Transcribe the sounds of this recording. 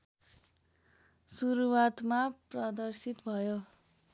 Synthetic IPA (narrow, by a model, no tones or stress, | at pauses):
suɾuwat̪maprʌd̪ʌrsit̪bʱʌjo